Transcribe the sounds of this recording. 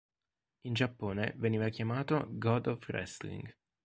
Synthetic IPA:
ind͡ʒapːoːnḛveniːvakʲjamaːt̪oɡɔd̪ɔfrɛ̰st̪lḭŋɡ

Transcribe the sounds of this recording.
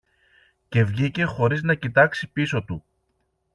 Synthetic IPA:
ce̞vʝice̞xo̞ɾiznɐcit̪ɐksipiso̞t̪u

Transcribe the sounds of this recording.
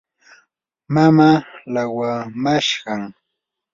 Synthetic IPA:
mamalawamaʃɢɑŋ

